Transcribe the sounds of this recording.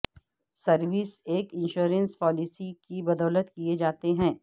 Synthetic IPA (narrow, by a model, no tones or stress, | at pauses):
sɐɾʋɪseːkɪ̃nʃuːɾə̃nspɔːlɪsikibɐd̪ɔːlət̪kied͡ʒaːt̪eɦɛ̃ː